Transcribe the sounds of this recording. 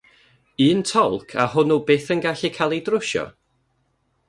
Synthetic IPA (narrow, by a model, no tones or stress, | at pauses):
ɨːntʰɔlˠkʰa̰hʊnubeːθənɡaɬɪkʰalˠidrʊʃɔ̰